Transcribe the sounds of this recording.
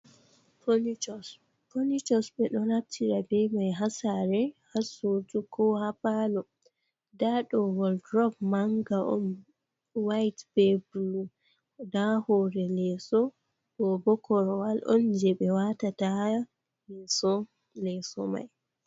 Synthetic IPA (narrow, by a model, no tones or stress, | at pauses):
ponit͡ʃɔs | ponit͡ʃɔsɓɛɗɔɾab̚tʰiɾabɛmajɦasaɾɛhasotukʰɔhapalɔ | daɗɔwɔldɾɔɡ̚maŋɡaʔɔ̰m | wajtb̥ɛbulu | dahɔɾɛlɛsɔ | ɗɔbɔkɔɾɔwalʔɔ̰nd͡ʒɛɓɛwatata | lɛsɔ | lɛsɔ̰ma̰j